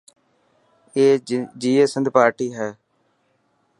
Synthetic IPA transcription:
eːd͡ʒiːeːsənd̪paːɾʈiːɦɛː

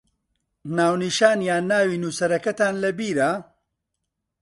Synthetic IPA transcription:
naːwniʃaːnjaːnːaːwiːnuːsɐɾɐkɐt̪aːnlɐbiːɾa

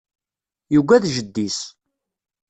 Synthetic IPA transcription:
juɡʷæðʒəd̪ːis

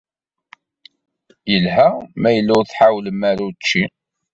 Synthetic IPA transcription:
jəlɦæmæjəlːʊʁθħawləmæɾut͡ʃːi

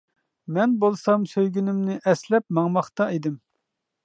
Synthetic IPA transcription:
mɛnbolˠsɑmsøjɡʲynɪmnɪʔɛslɛp̚mɑŋmɑχt̪ɑid̪ɪm

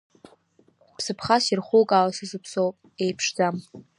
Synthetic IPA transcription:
pʰsɨpʰχasirχʷukʼalasɨzɨpʰsowpʼ | ejpʰʂd͡zam

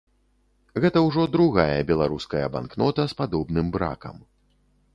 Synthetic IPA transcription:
ɣɛt̪ɐwʐɔd̪ɾuɣajɐbʲɛlˠaɾuskɐjɐba̰nknɔt̪ɐspad̪ɔbnɨmbɾa̰kɐ̰m

